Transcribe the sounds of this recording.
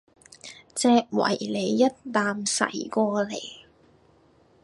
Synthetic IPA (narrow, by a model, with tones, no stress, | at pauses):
t͡sɛː˧k̚wɐ̰˨˩jle˨˧jːɐ˥t̚t̪aː˨˧msɐ̰˨˩jkɔː˧lḛ˨˩j